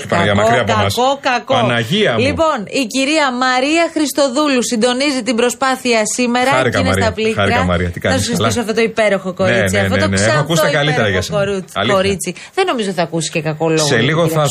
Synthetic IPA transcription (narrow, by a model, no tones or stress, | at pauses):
ipɐmɐɾiɐpomɐsokɐkɐnɐʝiɐlipo̞niciɾiɐmɐɾiɐxɾist̪o̞ðulusind̪o̞nizit̪imbɾo̞spɐθiɐsime̞ɾɐɾiɐinesɾiɐpliɐɾiɐɐmɐ̰ɾiɐt̪ikɐnɐssssiifs̬oɐft̪ot̪oipe̞ɾo̞xoko̞neit͡siɐt̪oeneeɐoɐkust̪ɐkɐlit̪eɾɐʝɐsɐoɾt͡sɐliko̞ɾit͡si | ðeno̞mizo̞t̪iθɐːkusiscekɐko̞loɣseliɣoɐ